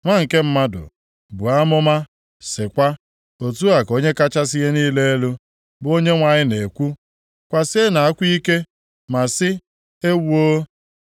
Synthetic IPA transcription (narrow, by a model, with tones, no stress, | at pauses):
ŋʷa˦ŋ̩˨ke˦m̩˦ma˦dʊ̰˨ | bu˨a˦mʊ˦ma˦ | sɪ˨kʷa˦ | o˨tu˦a˨ko˦ɲe˦ka˦t͡ʃa˦s̬i˦ɦe˦niː˦le˦e˦lu˦ | bo˦ɲe˦ŋʷa˨ɲɪ˦ne˨kʷu˦ | kʷa˨se˦na˨a˦kʷi˦ke˦ | ma˨sɪ˦ | e˦wu˦o˦